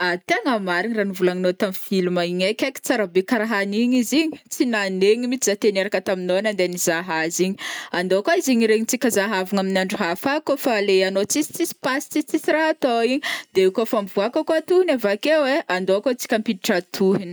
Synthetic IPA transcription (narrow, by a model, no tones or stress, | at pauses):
at̪eŋamaɾiɲiranivulaŋinot̪amifilumaiɲajkʲaki̥t͡saɾabekaɾaɦaniɲiziɲi̥t͡sinaneɲimit͡sizat̪eneɾakət̪aminoanand̪enizaɦaziɲiand̪oakoiziɲiɾeɲit͡sikʲəzaɦavaŋaminaɳɖ͡ʐuɦafakofaleanot͡sisi̥t͡sisi̥pasi̥t͡sit͡sisiɾaɦat̪oiɲid̪̥eekofamvuakakoat̪uhinavakeweand̪oakot͡si̥kʲampiiʈ͡ʂat̪ʰuɦin